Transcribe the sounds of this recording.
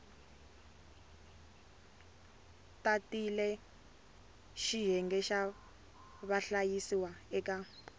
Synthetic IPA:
tatilɛ | ʃiɦɛŋɡɛʃa | βaɬajisiwaɛka

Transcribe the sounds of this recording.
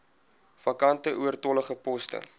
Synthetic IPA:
fɐkɐntəʔuərtɔləχəpɔstə̰

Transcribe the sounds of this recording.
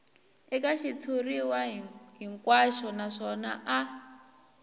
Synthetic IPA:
ɛkaʃit͡sʰuriwaɦɦiŋkwaʃɔnaʂɔnaʔa

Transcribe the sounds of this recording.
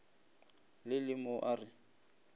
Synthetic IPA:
lɪlɪmɔʔarɪ

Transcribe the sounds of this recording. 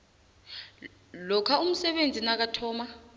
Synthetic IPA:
lɔkʰaum̩sɛɓend͡zʱinak̬atʰɔːma

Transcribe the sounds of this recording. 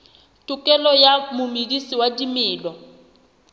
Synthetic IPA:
tʼukʼɛlɔjamʊmidisiwadimiːlɔ

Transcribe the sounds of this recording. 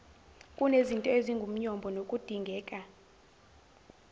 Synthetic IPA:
kʼunezintʼɔeziŋɡʱum̩ɲɔmbʱɔnokʼud̥ʱiŋɡʱɛːkʼa

